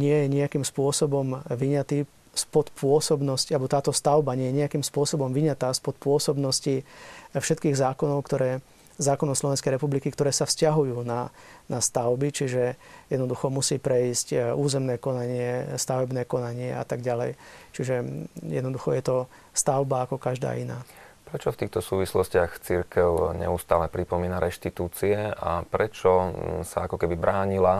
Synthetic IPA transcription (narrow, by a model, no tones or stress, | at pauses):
ɲɪɛjɛɲɛakiːmspʊɔsɔbɔmʋiɲat̪iː | spɔt̪pʰʊɔsɔbnɔscialɛbɔt̪aːt̪ɔst̪aʊbaɲɛjɛɲɛakiːmspʊɔsɔbɔmʋiɲat̪aːspɔt̪pʊɔsɔbnɔscifʃɛt̪kiːɣzaːkɔnɔʊkt̪ɔɾɛː | zaːkɔnɔʊslɔʋɛnskɛjɾɛpublikikt̪ɔɾɛːsafscaɦujuːnanast̪aʊbit͡ʃiʒɛjɛd̪nɔd̪uxɔmusiːpɾɛiːscuːzɛmnɛːkɔnaɲɪɛst̪aʋɛbnɛːkɔnaɲɪɛa̰t̪aɡɟalɛjt͡ʃiʒɛjɛd̪nɔd̪uxɔjɛt̪ɔ | st̪aʊbaːkɔkaʒd̪a̰ːina̰ː | pɾɛt͡ʃɔft̪iːxt̪ɔsuːʋislɔscɪaxt͡siɾkɛʊɲɛ̰ust̪aːlɛpɾipɔmiːnaɾɛʃt̪it̪uːt͡siɛa̰pɾɛt͡ʃɔsa̰akɔkɛbibɾaːɲila